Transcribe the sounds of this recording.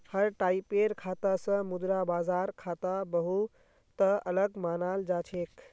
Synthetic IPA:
həɾʈaːipeɾkʰaːt̪asə̃mʊd̪ɾabaːzaːɾkʰaːt̪abəɦu | t̪əələɡmaːnald͡ʒat͡ʃʰek

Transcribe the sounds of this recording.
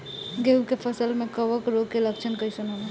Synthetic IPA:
ɡeukepʰəsəlmekəbəkɾoɡkelək̚t͡ʃʰənkəjsənol

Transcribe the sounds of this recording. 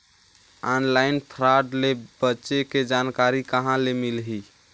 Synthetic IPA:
anlainpʰɾaɖlebətːʃeked͡ʒankaɾikəɦãlemilɦi

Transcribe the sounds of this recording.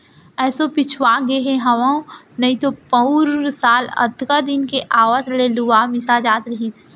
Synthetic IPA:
ɛːsopɪt͡ʃʰwaːɡeɦẽɦɐʋãũ | nɐɦĩt̪opə̃uɾsaːlɐ̰t̪kad̪ɪnkeʔaːʋət̪leːluwamɪsad͡ʒaːt̪ɾɐɦis

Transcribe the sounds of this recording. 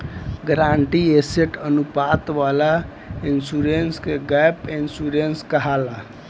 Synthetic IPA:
ɡɾaɳʈieseʈənupat̪ʋala | insuɾenskeɡapinsuɾenskəɦala

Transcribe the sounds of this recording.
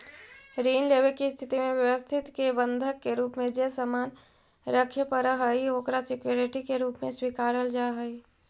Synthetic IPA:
ɾiːnleβekist̪ʰɪt̪imẽʋjəwəst̪ʰɪt̪kebənd̪ʱəkːeɾuːpmẽd͡ʒesəmaːn | ɾəkʰjepəɾəɦəjoːkɾasɪkjoɾɪʈikeɾuːpmẽswikaːɾəld͡ʒaɦəi

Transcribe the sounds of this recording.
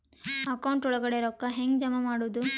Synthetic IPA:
ɐkɐwuɳʈɔɭɐɡɐɽeɾɔkːɐɦeŋɡd͡ʒɐmɐmaːɽuʋd̪u

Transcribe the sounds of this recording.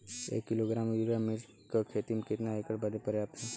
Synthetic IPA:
ḛːkːɪloːɡɾaːmjuɾamɪl | kəkʰet̪imkɪt̪naekəɽbɐd̪epəɾjaːp̚t̪ʰɛː

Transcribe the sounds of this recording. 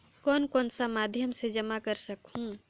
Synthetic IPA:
kɔːnkɔːnsamaːd̪ʱjəmsed͡ʒəmakəɾsəkhũ

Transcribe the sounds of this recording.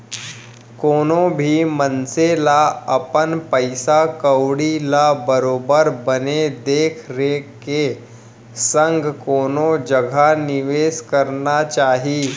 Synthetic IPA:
koːnobʱiːmənselaəpənpəɪsakəwɽilabəɾoːbəɾbəned̪eːkʰɾeke | səŋɡkoːnod͡ʒəɡʱanɪʋeːskəɾnat͡ʃaːɦiː

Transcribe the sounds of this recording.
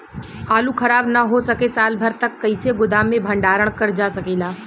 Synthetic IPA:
aːlukʰɐɾaːbnɐɦosɐkesaːlbʱɐɾt̪ɐkːɐɪseɡʊd̪aːmẽbʱɐ̃ɳɖaːɾəɽ̃kɐɾd͡ʒaːsɐkeːlaː

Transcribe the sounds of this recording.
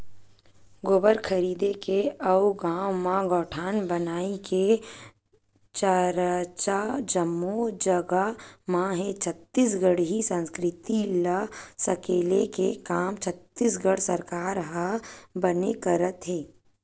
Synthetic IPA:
ɡoːbəɾkʰəɾiːd̪ekeɐwɡãːwmãɡɔːʈʰaːnbɐnaːike | t͡ʃaɾat͡ʃad͡ʒəmːod͡ʒɐɡamãɦet͡ʃʰət̪ːiːs̬ɡəɽɦisə̃nskɾɪt̪ilasɐkeːlekekaːmt͡ʃʰət̪ːisɡəɽsɐɾkaːɾɦabɐnekəɾət̪ɦɛː

